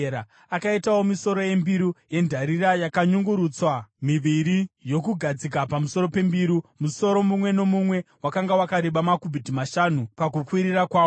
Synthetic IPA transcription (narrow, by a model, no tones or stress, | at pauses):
ɾa | akaitawo̞miso̞ɾo̞je̞mbiɾuje̞ndʱaɾiɾajakaɲuŋɡuɾuːt͡swamiʋiɾijo̞kuɡʱad͡zikapamuso̞ɾo̞pe̞mbiɾumuso̞ɾo̞mumwe̞no̞mumwe̞wakaŋɡawakaɾeɓamakubʱidʱimaʃanupakukwiɾiɾakwaː